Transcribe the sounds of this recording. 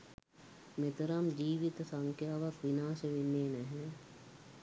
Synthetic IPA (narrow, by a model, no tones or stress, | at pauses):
mɪt̪ɾɐmd͡ʒiːʋit̪sɐŋkʰjaːʋɐkʋinaːʃʋɪneːnɛɦɛ̃